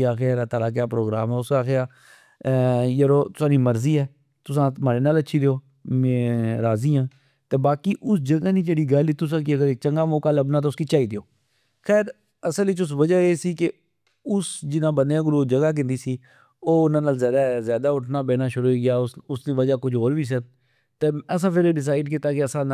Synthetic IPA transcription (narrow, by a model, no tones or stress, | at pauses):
aːxeːɾat̪aːɾaːk̬jaːpɾoːɡɾaːmɛːʊskaːxeaː | jəɾoːt̪ʊ̥sãːniːməɾziːɛː | t̪ʊsãːmaːɾeːnaːləʃʰiːleoː | meːɾaːziːãː | t̪eːbaːkiːʔʊsd͡ʒəɡaːniːd͡ʒeːɽiːɡaːlit̪ːʊs̬ãːk̬iəɡəɾeːk̚t͡ʃəŋɡaːmoːkaːləbnaːt̪̬oʊskiːt͡ʃaːiːd̪ɪjoː | xɛːɾ | əsəlʋɪt͡ʃʊs̬ʋəd͡ʒaːeːsiːke | ʊsd͡ʒɪnãːbəneãːɡʊɾoːd͡ʒəɡaːk̬ɪ̃nd̪iːsiː | oːʊnãːnaːlzjaːd̪aːzjaːd̪aːʊʈʰnaːbeːnaːʃʊɾoiɡɪjaːʊsd̪iːʋəd͡ʒaːkʊd͡ʒoːɾbiːsə | t̪eːəs̬ãːpʰɪɾeːɖɪs̬aːɪɖk̬ɪt̪aːkeəsãːn